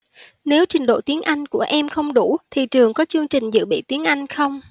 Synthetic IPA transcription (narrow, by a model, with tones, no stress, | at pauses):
ne˨˦wt͡ɕï˨˩ŋ̟ɗo̰˧˨t̪i˨˦ənʔa˧jŋ̟ku˧˩əʔɛ˧mxə˧wŋ͡mɗu˧˩t̪ʰi˨˩t͡ɕɨ˨˩əŋkɔ˨˦t͡ɕɨ˧əŋt͡ɕï˨˩ŋ̟zɨ̰˧˨ɓḭ˧˨t̪i˨˦ənʔa˧jŋ̟xə˧wŋ͡m